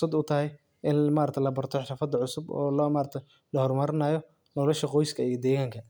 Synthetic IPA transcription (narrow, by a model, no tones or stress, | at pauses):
sɐd̪ʊt̪ʰɐɦɛj | ɪnmaːɾɐk̚t̪ʰlɐbɐrt̪ʰɔħɾɐfɐd̪ɐʕʊsʊbɔ̰ːlmaːɾɐt̪ʰɐj | lɐhɔrmɐɾɪnaːjɔ | nɔlɔʃɐqɔjskʰɐijɔd̪ɛːɣaːŋkʰɐ